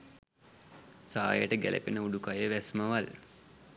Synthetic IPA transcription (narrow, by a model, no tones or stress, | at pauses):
sa̰ːjəʈəɡælḛpenəuɖukajəʋæsməʋal